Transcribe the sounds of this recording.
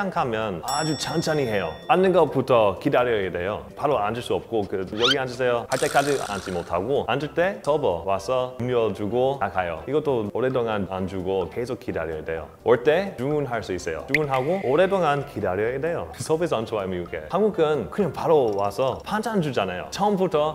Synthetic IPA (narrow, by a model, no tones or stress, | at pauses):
aŋkʰamjʌnad͡ʑut͡ɕant͡ɕʰaniɦe̞joanːɯnɡʌputʰʌkidaɾʌede̞jo̰paɾoand͡ʑuɭs͈uʌp̚k͈okɯjʌɡiand͡ʑusʰejohaɭt͈ek͈ad͡ʑia̰nt͡ɕ͈imotʰaɡoand͡ʑuɭt͈e̞sʰʌbʌwasʰʌumɲiʌd͡ʑuɡoakajo̰iɡʌt͈oʌɾetoŋana̰nd͡ʑuɡokes̬ʰok͈ːida̰ɾiʌedḛjo̰ | ʌɭt͈e̞numunɦaɭs͈uis͈ejo̰numunɦaɡooɾe̞toŋankidaɾiʌede̞josʰʌbes̬ʰʌant͡ɕʰowajmiuɡḛhanɡuɡɯnkɯɲaŋpaɾowasʰʌpʰand͡ʑʰand͡ʑud͡ʑanajo̰t͡ɕʰʌɯmbutʰʌ